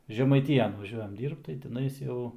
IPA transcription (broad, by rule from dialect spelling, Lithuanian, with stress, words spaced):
ʒʲɛmɐɪˈtʲiːjɛn ʋɐˈʒʲuɔjɛm ˈdʲiːrpt tɐɪ tʲɪˈnɐɪs ˈjɛʊ